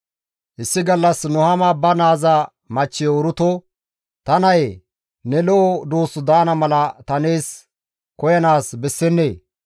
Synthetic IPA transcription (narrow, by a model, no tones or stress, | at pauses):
ʔɪsːɪɡɐlːɐsnʊhɐmɐbɐnaːzɐ | mɐt͡ʃːɪɔɾʊt̪ɔ | t̪ɐnɐj | nɛlɔʔːd̪oːsʊd̪ɐːnɐmɐlɐt̪ɐne̞ːs | kɔjɐnaːsbɛsːɛnːeː